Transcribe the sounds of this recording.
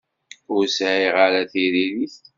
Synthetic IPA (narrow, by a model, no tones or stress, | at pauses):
ʊɾsʕiʁaɾæθiɾiliθ